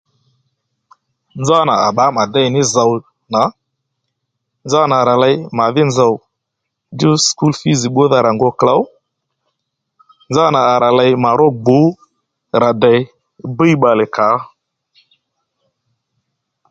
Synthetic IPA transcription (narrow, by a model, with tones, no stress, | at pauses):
nd͡za˦na˨a˨ɓa˨˦ma˨da˦jnɪ˦za˨w | na˨˦ | nza˦na˨ɾa˨la˧jma˨ðɪ˦nza˨w | du˦sku˦lfi˦zi˨ɓo˦ða˨ɾa˨ŋɡɔ˧kla˦w | nd͡za˦na˨a˨ɾa˨la˧jma˨ɾɔ˦ɡ͡bo˨˦ | ɾa˨də˨j | bə˦jɓa˨lɪ˨ka˨˦